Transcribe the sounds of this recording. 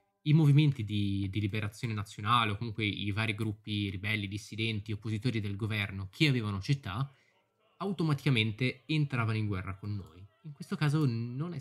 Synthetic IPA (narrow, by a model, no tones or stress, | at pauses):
imoviment̪id̪id̪ilibeɾat̪sːjoːnenat̪sːjonaːleokːomuŋkweivaːɾiɡɾupːiɾibɛlːid̪isːid̪ɛnt̪iopːozit̪oːɾid̪elɡovɛrnokʰeaveːvanot͡ʃit̪ːa | awt̪omat̪i̥kament̪eent̪ɾaːvanoiŋɡwɛrːakonːo̰ːjiŋkwest̪okaːzononɛ